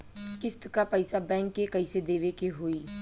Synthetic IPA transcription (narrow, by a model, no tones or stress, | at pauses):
skɪst̪kapəɪsabɛ̃ːŋkːekəɪsed̪eːʋekeɦoːiː